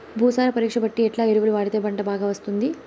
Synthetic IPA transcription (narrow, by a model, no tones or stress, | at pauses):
bʱuːsaːɾɐpɐɾiːkʂɐbɐʈːiɛʈlaːeɾuʋuɽuʋaːɽit̪eːbɐɳʈɐbaːɡaːʋɐst̪und̪i